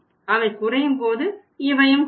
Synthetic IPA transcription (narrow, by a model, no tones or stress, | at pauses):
ɐʋɐɪkʊrɐjɯmpoːðɯ | ɪʋɐjɯm